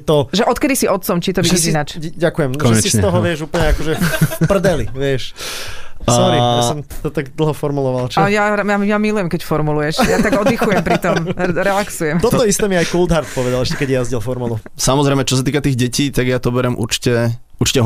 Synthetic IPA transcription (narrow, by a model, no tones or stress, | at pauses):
t̪ɔʒɛʔɔt̪kɛd̪isiʔɔt̪̚t͡sɔmt͡ʃit̪ɔʋiisinat͡ʃɟakujɛmkɔʒɛɲɛsisɲɛt̪ɔɦɔʋɪɛʒuːpl̩ɲɛakɔʒɛpr̩d̪ɛliʋɪɛʃ | sɔɾijasɔmt̪ɔt̪aɡd̪l̩ˠɦɔfɔɾmulɔʋalt͡ʃaɔjaɾmamimamilujɛmkɛcfɔɾmulujɛʃjat̪aɡɔd̪ixujɛmpɾit̪ɔmɾɛlaksujɛmt̪ɔt̪ɔist̪ɛmiajkulˠd̪ɦaɾt̪̚pɔʋɛd̪alˠɛʃcɛkɛɟjazɟɛlfɔɾmulˠu | samɔzɾɛɪmɛt͡ʃɔs̬at̪iːkat̪iːɣɟɛciːt̪aɡjat̪ɔbɛɾɛmʔṵɾt͡ʃi̥cɛ | uɾt͡ʃicɛɦ